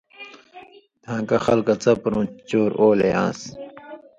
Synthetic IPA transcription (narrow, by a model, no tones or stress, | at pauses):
d̪̥ʱãːkɐxɐlkɐt͡sɐpɾũt͡ɕoːɾoːlejã̰ːs